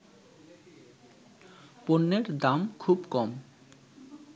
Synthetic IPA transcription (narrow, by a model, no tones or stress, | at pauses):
ponːeɾd̪amkʰubkɔm